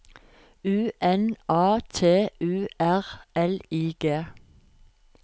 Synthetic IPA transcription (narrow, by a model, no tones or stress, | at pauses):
ʉːʔɛnɑːt̪ʰeːʉːʔæʁɛliːɡ̥eː